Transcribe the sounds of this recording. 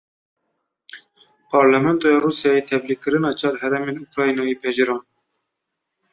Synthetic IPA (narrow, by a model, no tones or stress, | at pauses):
pʰɑːɾlɛmɛnt̪ojɑɾuːsijɑːjet̪ʰɛblilkɨɾɨnɑːt͡ʃʰɑd̪hɛɾɛmeːnukɾɑːjnɑipʰɛʒɨɾɑːn